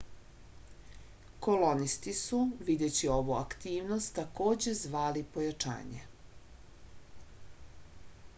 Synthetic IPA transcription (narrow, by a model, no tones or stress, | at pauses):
ko̞lonist̪isuʋid̪et͡ɕio̞ʋua̰kt̪iːʋno̞st̪ːako̞ːd͡ʑe̞zʋaːlipo̞jat͡ʃa̰ːɲe